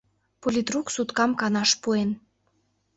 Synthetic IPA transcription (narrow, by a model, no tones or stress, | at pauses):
polʲit̪ruksut̪kɑmkɑnɑʃpuen